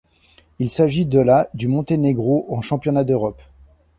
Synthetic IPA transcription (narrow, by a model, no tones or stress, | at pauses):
ilsaʒid̪əlad̪ymɔ̃t̪eneɡʁoʔɑ̃ʃɑ̃pjɔnad̪øʁɔp